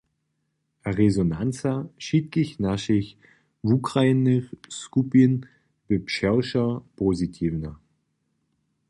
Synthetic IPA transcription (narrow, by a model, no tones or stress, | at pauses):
aʁezonant͡saʃit̚ɡɪçnaʃɪç | vukʁaɪnəskupin | vɪpʃɛʊʃɐpʰozitʰiːvnɐ